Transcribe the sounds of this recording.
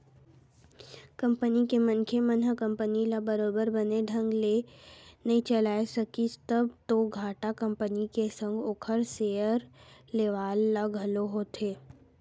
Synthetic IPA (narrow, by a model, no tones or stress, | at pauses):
kə̃mpənikemə̃nkʰemənəkə̃mpənilabəɾoːbəɾbəneɖʱə̃ŋɡlenɐɦĩt͡ʃɐlaːesɐkit̪əbt̪oɡʱaːʈakə̃mpənikesə̃ŋɡoːkʰəɾseːəɾleʋaːlːaɡʱəloɦoːt̪eː